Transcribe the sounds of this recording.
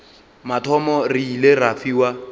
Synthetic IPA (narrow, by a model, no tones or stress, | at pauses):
matʰɔmɔriilerafiːwa